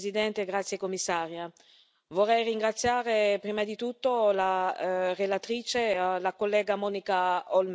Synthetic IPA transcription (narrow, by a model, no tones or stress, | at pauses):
zid̪ɛnt̪eɡɾat̪sːjekomːisːaːɾja | vorːɛjriŋɡɾat̪sːjaːɾepɾiːmad̪it̪ut̪ːolarelat̪ɾiːt͡ʃelakolːɛːɡamɔnikaɔlm